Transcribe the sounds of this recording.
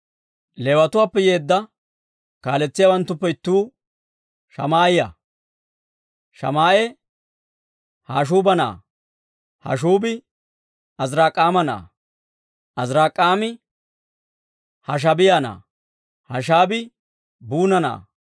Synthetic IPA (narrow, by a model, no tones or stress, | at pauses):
lewɐt̪ʊwaːpːɛjeːd̪ːɐ | kaːlɛt͡sːɪjaːwɐnt̪ːʊpːɛɪt̪ːuː | ʃɐ̰maːjɪjɐ̰ | ʃɐ̰maːʔɛ | haːʃ̬uːbɐna̰ː | hɐ̰ʃ̬uːbɪ | ɐzɾaːkʼaːmɐna̰ː | ʔɐzɾaːkʼːaːmɪ | hɐʃ̬ɐbɪjana̰ː | hɐʃ̬aːbɪ | buːnɐna̰ː